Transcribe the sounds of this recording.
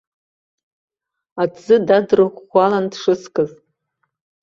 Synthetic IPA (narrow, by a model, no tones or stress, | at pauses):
azɨdadrɨʁːʷalandʂɨskʼɨz